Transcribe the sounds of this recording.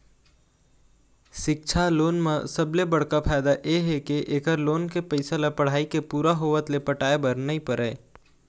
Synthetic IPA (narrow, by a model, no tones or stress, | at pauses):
ʃɪk̚t͡ʃʰaloːnmẽsəblebɐɽ̤kapʰaːjd̪aʔeɦekeʔeːkəɾloːnkepəɪsalapəɽ̤aːikepuːɾaɦoːʋət̪lepəʈaːebəɾnəĩpəɾʔɛː